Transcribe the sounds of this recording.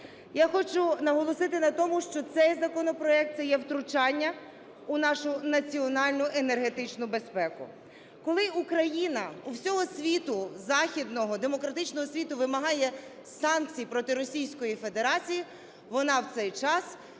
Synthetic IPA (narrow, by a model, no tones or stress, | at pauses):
jaxɔt͡ʃʊnɐɦɔlˠɔsɪt̪ɪnɐt̪ɔmʊʃt͡ʃɔt̪sɛjzɐkɔnɔpɾɔɛk̚t̪sɛjɛwt̪ɾʊt͡ʃɑnʲːɐ | ʊnɑʃʊnɐt͡sʲiɔnɑlʲnʊʔenerɦe̞t̪ɪt͡ʃnʊbe̞spɛkʊ̰ | kɔlˠɪukɾɐjinɐuwsʲɔɦɔsʲʋʲit̪ʊzɑxʲid̪nɔɦɔd̪e̞mɔkɾɐt̪ɪt͡ʃnɔɦɔsʲʋʲit̪ʊʋɪmɐɦɑjɛsɑnk̚t͡sʲijpɾɔt̪ɪɾɔsʲijsʲkɔjife̞d̪eɾɑt͡sʲiji | ʋɔnɑwt̪sɛjt͡ʃɑs